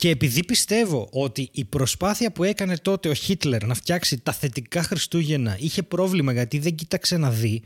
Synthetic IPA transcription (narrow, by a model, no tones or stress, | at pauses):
ce̞ːpiðipist̪e̞vo̞ʔo̞t̪iʔipɾo̞spɐθiɐpue̞kɐne̞t̪o̞t̪e̞o̞çit̪le̞ɾnɐft̪çɐksit̪ɐθe̞t̪ikɐxɾist̪uʝe̞nɐiçe̞pɾo̞vlimɐʝɐt̪iðe̞ɲɟit̪ɐkse̞nɐði